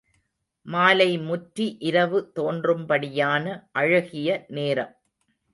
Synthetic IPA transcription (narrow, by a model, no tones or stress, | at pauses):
maːlɐɪmʊʈɾiʔɪɾɐʋɯt̪oːndrɯmpɐɽɪjaːnɐʔɐɻɐɣɪjɐneːɾɐm